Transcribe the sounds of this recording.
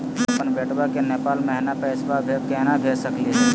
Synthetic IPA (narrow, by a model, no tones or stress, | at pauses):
əpənbeʈbakenepaːlmɛɦnapɛːsbabʱekɛɦnabʱeːsəkliɛ